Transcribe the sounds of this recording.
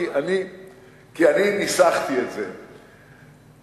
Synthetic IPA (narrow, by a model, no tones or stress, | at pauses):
ani | kianinisaχt̪ietze